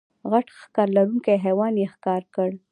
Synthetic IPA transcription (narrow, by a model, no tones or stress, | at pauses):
ɣaʈxkɑɾlaɾuŋkajɦewɑnjexkɑɾkəɽ